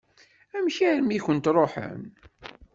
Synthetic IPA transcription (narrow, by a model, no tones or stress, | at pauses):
æmçæɾmiçənt̪ɾˤoħə̰n